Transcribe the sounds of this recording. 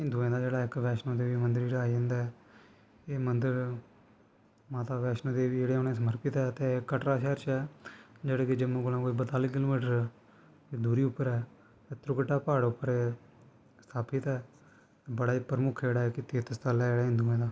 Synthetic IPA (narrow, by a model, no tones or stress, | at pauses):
ɦɪ̃nd̪uːẽːd̪aːd͡ʒeːɽaːɪkʋɛːʃnõːd̪eːʋiːmənd̪əɾeːɽaːid͡ʒ̃ːnd̪aːɛː | eːmənd̪əɾ | maːt̪aːʋɛːʃnãːd̪eːʋiːeːɽeːoːnẽːsəməɾpɪt̪ɛːt̪ẽːkːəʈɾaːʃɛːɾt͡ʃɛːd͡ʒeːɽeːked͡ʒəmõːkolãːkoːiːbət̪aːlikɪloːmiːʈəɾɛ | eːd̪uːɾiːʊpːəɾɛː | t̪eːt̪ɾʊkʈaːpaːɽʊpːəɾeː | st̪ʰaːpʰɪt̪ɛː | ebəɽaːiːpəɾəmʊkʰeːɽaːɛːkɪt̪eːt̪əst̪ʰalɛːeːɽaːɦɪ̃nd̪uẽːd̪aː